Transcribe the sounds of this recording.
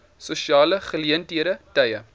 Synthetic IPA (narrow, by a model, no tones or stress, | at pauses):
suʃiɑːləχəliəntɦiəɾətɐjə